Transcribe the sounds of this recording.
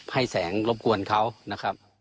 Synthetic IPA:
pʰa˥˩jsɛː˩˦ŋlo˦˥p̚ku˧ənkʰa˧˥˩wna˦˧˥kʰa˦˥p̚

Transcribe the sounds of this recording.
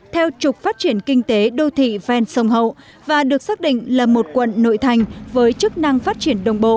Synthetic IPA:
t̪ʰɛ˧wt͡ɕʊ˨˩k͡p̚faː˦˥t̚t͡ɕi˧˩ənkï˧ŋ̟t̪e˨˦ɗo˧t̪ʰḭ˧˨vɛ˧nsə˧˩wŋ͡mɦə̰˧˨w | vaː˨˩ɗɨ˨˩ək̚saː˦˥k̚ɗḭ̈˧˨ŋ̟laː˨˩mo˨˩t̚kwə̰˧˨nːo̰˧˨jt̪ʰa˨˩jŋ̟vəː˨˦jt͡ɕɨ˦˥k̚na˧ŋfaː˦˥t̚t͡ɕi˧˩ənɗə˨˩wŋ͡mɓo̰˧˨

